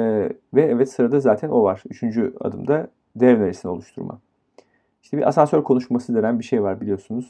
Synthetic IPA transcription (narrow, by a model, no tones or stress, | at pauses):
ɛvɛɛvɛt̪sɯɾad̪azaːt̪ʰænʔo̞vaɾ̥yt͡ʃʰynd͡ʒya̰d̪ɯ̰md̪a | d̪ɛvnaɾesino̞lˠuʃt̪ʰuɾmʔa̰ | iʃt̪ʰɛbḭɾʔa̰sansøɾkʰo̞nuʃmasɯd̪eɾænbiʃe̞jvaɾbilʲijo̞sunuz̥